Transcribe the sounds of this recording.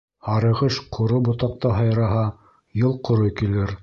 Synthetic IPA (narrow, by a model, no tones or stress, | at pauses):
hɑɾɤ̆ʁɤʃqʰŏɾobŏt̪ɑq̚t̪ɑɦɑjɾɑɦɑ | jɤlˠqŏɾojkilɘɾ